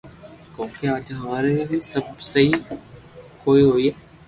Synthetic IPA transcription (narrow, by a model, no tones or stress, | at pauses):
kõːkeaːd͡ʒɦɐʋaːɾebisəbsɐɦi | koːiɦoːie